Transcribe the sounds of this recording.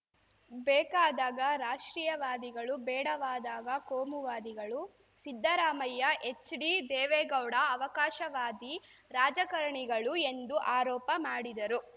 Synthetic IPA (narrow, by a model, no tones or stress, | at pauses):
bɛːkaːd̪aːɡɐɾaːʂʈɾiːjɐʋaːd̪iɡɐɭubɛːɽɐʋaːd̪aːɡɐkoːmuʋaːd̪iɡɐɭu | sid̪ʱːɐɾaːmɐjːɐʔet͡ʃːɖid̪ɛːʋɛːɡɐwɽɐːʋɐkaːʃɐʋaːd̪i | ɾaːd͡ʒɐkɐɾɐɳiɡɐɭue̞nd̪uʔaːɾɔːpɐmaːɽid̪ɐɾu